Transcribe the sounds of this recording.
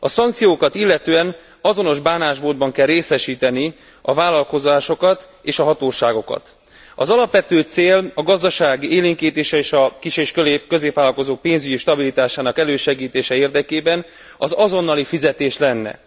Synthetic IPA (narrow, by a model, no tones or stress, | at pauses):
ɒsɒŋk̚t̪sijoːkɒt̪ilːɛt̪øːɛn | ɒzo̞no̞ʒbaːnaːʒboːd̪bɒŋkɛlreːsɛʃiːt̪ɛni | ɒvaːlɒlko̞zaːʃo̞kɒt̪ | eːʃɒɦɒt̪oːʃaːɡo̞kɒ̰t̪ | ɒ̰zɒlɒpʋɛt̪øːt̪seːlɒɡɒzd̪ɒʃaːɡieːliŋkiːt̪eːʃɛeːʃɒkiʃeːʃkøleːpkø̞zeːpʋaːlɒlko̞zoːk̚peːnzyɟiʃt̪ɒbilit̪aːʃaːnɒkɛløːʃɛɡiːt̪eːʃɛeːrd̪ɛkeːbɛn | ɒzɒzo̞nːɒlifizɛt̪eːʃlɛnːɛ̰